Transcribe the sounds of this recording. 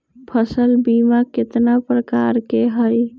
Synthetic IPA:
pʰəsəlbimakɪt̪napɾəkaɾkeɦəj

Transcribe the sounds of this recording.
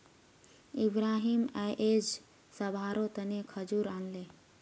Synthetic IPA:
ibɾaːɦimaʔed͡ʒ | səbʱaɾot̪ənekʰəd͡ʒuɾanle

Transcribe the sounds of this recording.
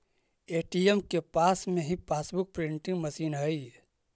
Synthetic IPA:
eːʈijemkepaːsmẽɦipaːsbʊk̚pɾɪɳʈĩŋɡmɐsiːnɦəi

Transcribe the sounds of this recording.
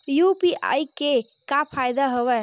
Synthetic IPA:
jupiʔa̰ike | kapʰajd̪aɦəwɛ

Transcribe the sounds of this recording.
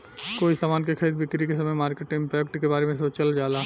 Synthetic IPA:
koːisaːmaːnkekʰəɾiːd̪̚bɪkɾikesɐməjmaːɾkeʈɪ̃ŋmpjəkʈkebaːɾemẽs̬ot͡ʃɐld͡ʒaːlaː

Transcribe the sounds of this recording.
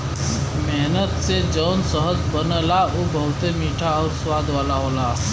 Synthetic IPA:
meɦnət̪sed͡ʒɔːnsəɦəd͡zbənəlaʔobəɦʊt̪emiːʈʰaɔːɾswaːd̪ʋaːlaɦoːlaː

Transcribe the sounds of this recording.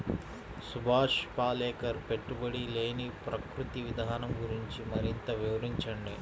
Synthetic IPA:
subʱaːʂpaːlɛːkɐɾpe̞ʈːubɐɽile̞ːnipɾɐkɾut̪iʋid̪ʱaːnɐmɡuɾiɲt͡ʃimɐɾint̪ɐʋiʋɐɾiɲt͡ʃɐɳɖi

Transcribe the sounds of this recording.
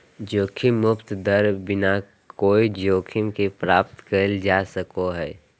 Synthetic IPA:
d͡ʒoːkʰɪmːʊpt̪d̪əɾbɪna | koːid͡ʒoːkʰɪmkepɾaːp̚t̪kəld͡ʒaːsəkoɦɛː

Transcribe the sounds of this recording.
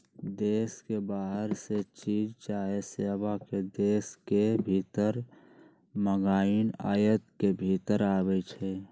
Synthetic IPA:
d̪eːskebaːɦəɾset͡ʃiːd͡ʒt͡ʃaːɦeseːʋaked̪eːskebʱiːt̪əɾ | məɡaːina̰ːjət̪kebʱit̪əɾaːbɛt͡ʃʰɛ

